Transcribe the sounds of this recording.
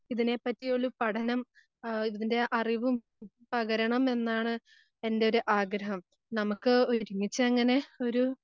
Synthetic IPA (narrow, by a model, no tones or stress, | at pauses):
iðine̞pːɐtːijoɭːupɐʈʰɐnɐm | iðinde̞ʔɐriʋum | pɐɣɐɾɐɳɐme̞nːaːɳɨ | e̞nde̞o̞ɾuʔaːɡɾɐɦɐm | nɐmukːɨoɾumːit͡ɕːɨɐŋːɐne̞o̞ɾu